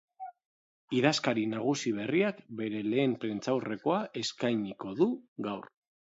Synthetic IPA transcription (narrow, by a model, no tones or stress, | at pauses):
iðaskaɾinaɣ̞usiβ̞e̞riakbe̞ɾe̞le̞ːmpɾint͡sawre̞ko̞aʔe̞skajɲiko̞ðuɣawr